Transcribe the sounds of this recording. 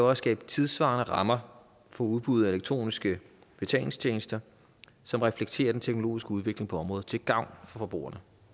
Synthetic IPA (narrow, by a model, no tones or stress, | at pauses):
æʊɒssɡ̥ɛ̰ːb̥ət͡sʰið̞ˠsʋɑ̈ːnəʁɑ̈mɐ | fɒ̽uð̞ˠb̥uð̩ˠæe̝leɡ̥̚t͡sʰʁo̝̰ːnisɡ̥ə | b̥e̝t͡sʰɛ̰ːle̝ŋst͡ɕʰeːnəsd̥ɐ | sɒ̽mʁɛfleɡ̥̚t͡sʰe̝̰ːɐd̥ent͡sʰeɡ̥no̝lo̝̰ːisɡ̥əuðˠʋe̝ɡ̥le̝ŋpʰɒ̽ɒ̽mʁɔ̽ːð̩ˠt͡sʰe̝lɡ̥ɑ̈ʊ̰nfɒ̽fɒ̽b̥ʁṵːɐnə